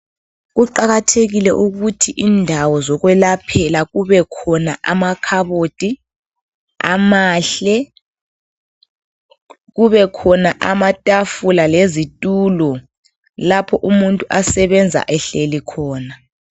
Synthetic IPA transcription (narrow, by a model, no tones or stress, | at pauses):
ɣuǃaɣatʰeɣilɛʔuɣutʰiʔiːndʱawɔzɔɣwɛlapʰɛlaɣuβɛkʰɔnaʔamakʰaβotʼi | a̰maːɬɛ | ɣuβɛkʰɔnaʔamatʼafulalezitʼuːlɔ | lapʰɔʔumuntʼuʔasɛβɛnd͡zʱa̰ʔɛɬelikʰɔːna